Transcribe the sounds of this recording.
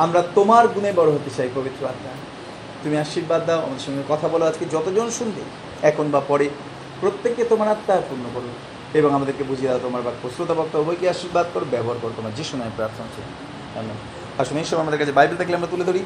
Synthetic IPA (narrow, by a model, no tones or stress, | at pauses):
amɾat̪omaɾɡunebɔɽoɦot̪ːet͡ɕʰajkobit̪ːɾoat̪ːa | t̪umiaʃiɾbad̪ːaoamad̪eɾʃɔŋɡekɔt̪ʰabɔlaoad͡ʑked͡ʑɔt̪od͡ʑonʃund̪ḛ | ɛkʰonbapɔɾe | pɾot̪ːeket̪omaɾat̪ːapuɾnokoɾun | eboŋamad̪eɾkebud͡ʑʱied̪ɛot̪omaɾbakpɾosɾot̪abɔk̚t̪obbojkiaʃiɾbad̪̚kɔɾobɛboɦaɾkoɾot̪omaɾd͡ʑeʃunɔepɾaɾt̪ʰonat͡ɕʰe | ɛ̰min | aʃoneiʃɔbeamad̪eɾkat͡ɕʰebajbilt̪ʰakleamɾat̪uled̪ʱoɾi